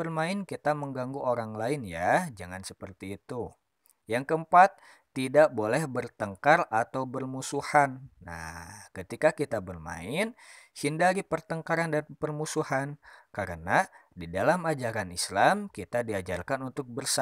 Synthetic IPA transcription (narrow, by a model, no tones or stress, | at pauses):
bərmaɪnkit̪aməŋɡaŋɡuoɾaŋlaɪnjad͡ʒaŋansəpərt̪iːt̪u | jaŋkəəmpat̪ː | idaʔbolɛhbərt̪əŋkarat̪awbərmusuhanːa̰kət̪ikakit̪abərma̰ɪnhindaɾipərt̪əŋkaɾandanpərmusuhankaɾənadidalamad͡ʒaɾanislamkit̪adiad͡ʒarkanunt̪ʊk̚bərsa